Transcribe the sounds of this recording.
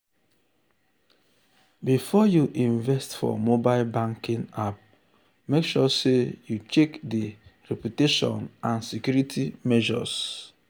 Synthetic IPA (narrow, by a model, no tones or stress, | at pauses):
bifɔjuʔĩɱvɛstfɔ̰mobaɪlbãŋkĩŋap̚ | mekʃɔsejut͡ʃekdiɹɛpjuteʃɔ̰̃nãnsikjuɾitʰimɛʒɔ̰s